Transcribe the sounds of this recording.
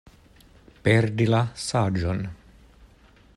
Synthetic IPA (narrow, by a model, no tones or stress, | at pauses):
pɛrd̪ilasaːd͡ʒon